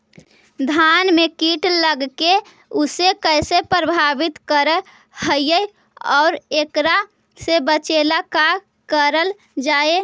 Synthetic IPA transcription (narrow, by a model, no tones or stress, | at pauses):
d̪ʱanmekiʈləɡke | usekəɪsepɾəbʱabit̪kəɾə | hɦəjəj | ɔːʊɾekɾa | sebət͡ʃelaka | kəɾəl | d͡ʒaːe